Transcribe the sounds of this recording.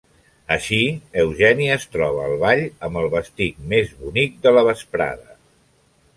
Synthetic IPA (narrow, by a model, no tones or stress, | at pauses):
əʃiəwʒɛniəːst̪ɾɔβ̞əːlˠβaʎəmbəlˠβəst̪ik̚mezβunik̚d̪ələβəspɾa̰ðə